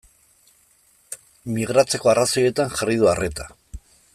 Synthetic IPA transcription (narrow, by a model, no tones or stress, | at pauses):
miɣ̞ɾat͡se̞ko̞araso̞je̞t̪anʝarið̞uare̞t̪a